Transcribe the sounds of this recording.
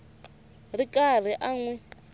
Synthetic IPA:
rikʼar̤iʔaŋwɛ

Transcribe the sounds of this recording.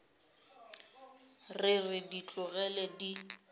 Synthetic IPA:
rɪrɪdit͡ɬʼʊɣɛlɛdi

